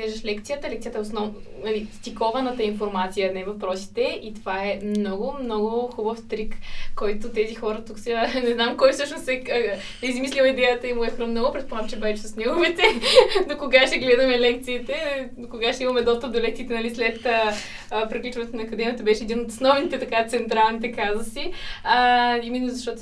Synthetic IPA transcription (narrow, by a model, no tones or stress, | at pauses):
kɛʒəʃlɛkt̪sijət̪əlɛkt̪ijət̪əɛosnɔn | nɐlist̪ʲikɔvɐnət̪əinfoɾmat̪sijənɛvɐfpɾɔsi̥t̪ɛit̪ovaɛmnɔɡʊmnɔɡʊxubəfst̪ɾikkːɔjt̪ʊt̪ɛzixɔɾət̪uksɛnɛznamkɔjfsɤʃnosɛ | izmislʲilˠid̪ɛjət̪əimuɛfkɾəmnoɡʊpɾɛt̪̚pomamt͡ʃɛbɛt͡ʃɛsəsnʲimɐmɛt̪ɛnokoɡaʃt̪ɛɡlɛd̪əmɛlɛkt̪siːt̪ɛ | okoɡaʃt̪ɛimɐmɛd̪ɔst̪əp̚d̪oɛlɛk̚t̪iːt̪ɛnɐlislɛt̪ə | pɾiklʲut͡ʃənɛt̪onɐkɐd̪ɛmʲiət̪əbɛʃɛɛd̪inot̪osnɔvnit̪ɛt̪ɐkat̪sɛnt̪ɾalˠnit̪ɛkazəsiəiminɐzɐʃt̪ɔt̪